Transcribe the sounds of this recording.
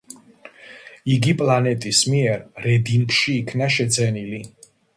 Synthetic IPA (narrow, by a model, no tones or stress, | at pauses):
iɡipʼlˠanɛt̪ʼismiɛɾɾɛd̪impʰʃiːkʰnaʃɛd̪zɛnili